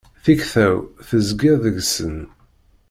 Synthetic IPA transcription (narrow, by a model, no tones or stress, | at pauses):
θiçθæwθəzɡɪɾðəʝsən